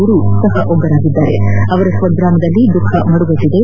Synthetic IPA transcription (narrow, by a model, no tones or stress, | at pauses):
uɾusɐɦɐʔoɡɐɾaːɡid̪ːaːɾe̞ɐʋɐɾɐsɐd̪ɾaːmɐd̪ɐlːid̪ukʰːɐmɐɽuʋɐd̪id̪e̞